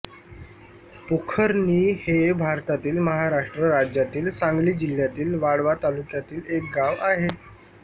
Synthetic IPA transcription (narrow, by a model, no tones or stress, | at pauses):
pokʰəɾniːhebʱaɾt̪at̪iːlməɦaɾaʂʈɾəɾad͡ʑjat̪iːlsãŋɡliːd͡ʑil̤jat̪iːlʋaɽʋat̪alukjat̪iːlek̚ɡaʋaɦe